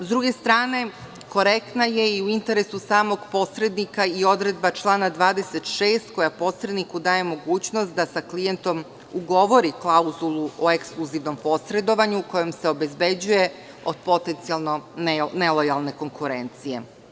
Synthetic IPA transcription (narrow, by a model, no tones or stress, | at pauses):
zd̪ɾuɡe̞st̪ɾaːne̞ | ko̞ɾekt̪naje̞iuint̪e̞ɾesusaːmo̞ɡpo̞sɾe̞d̪nikaio̞d̪ɾe̞d̪bat͡ʃlˠaːnad̪ʋaːd̪e̞se̞t̪ʃeːst̪ko̞japo̞sɾe̞d̪nikud̪aːje̞mo̞ɡuːt͡ɕnost̪̚d̪asaklije̞nt̪o̞m | uɡo̞ʋo̞ɾiklˠauzulˠuo̞eksklˠuziʋno̞mpo̞sɾe̞d̪o̞ʋaɲuːko̞je̞mse̞o̞be̞zbe̞d͡ʑuje̞ | o̞d̪̥̚po̞t̪e̞nt̪sijalˠno̞nelojalˠne̞ko̞ŋkuɾe̞nt̪sije̞̰